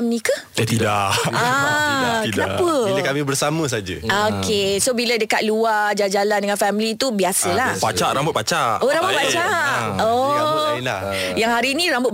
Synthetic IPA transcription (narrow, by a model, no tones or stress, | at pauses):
mnĩkə | at̪idaʔa | kənapəəkamĩbərsamə̃s̬ad͡ʒə̰okesobilədəkat̪̚luard͡ʒad͡ʒalandəŋanfɛmlit̪ubiasəlahpat͡ʃaʔɾambʊt̪̚pat͡ʃaʔoɾambʊt̪̚pat͡ʃaʔoila̰ | jaŋɦaɾiːnĩɾambʊt̪̚